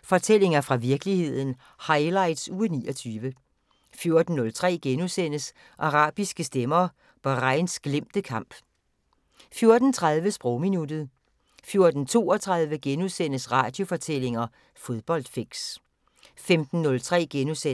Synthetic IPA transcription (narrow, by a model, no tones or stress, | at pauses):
fɒ̽t͡sʰel̰e̝ŋɐfʁɑ̈ʋiɐɡ̥əlihe̝ð̞̰ˠn̩ | hɑ̈ɪlɑ̈ɪd̥suːnḭːɒt͡sʰyːʋə | fjo̝ɐd̥n̩ːɔ̽lt͡sʰʁɛ̰ːɡ̥enusen̰əs | ʔɑ̈ʁɑ̰̈ːb̥isɡ̥əsd̥emɐ | b̥ɑ̈ʁɑɪnsɡ̥lem̰d̥əkʰɑ̈m̰b̥ | fjo̝ɐd̥n̩t͡sʰʁɑðˠʋəsb̥ʁɔʊminud̥ð̞̩ˠ | fjo̝ɐd̥n̩t͡sʰo̝̰ːɒt͡sʰʁɑ̈ðˠʋəɡ̥enusen̰əsʁɑ̈ːd̥jo̝fɒ̽t͡sʰel̰e̝ŋɐ | fo̝ð̞ˠb̥ɒ̽l̰d̥fe̝ɡ̥s | femd̥n̩ːɔ̽lt͡sʰʁɛ̰ːɡ̥enuse